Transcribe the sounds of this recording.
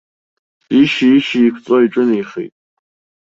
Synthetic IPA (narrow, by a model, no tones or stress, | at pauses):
iʃiiʃiːkʷʰt͡sʼoiʈ͡ʂʼɨnjχḭjtʼ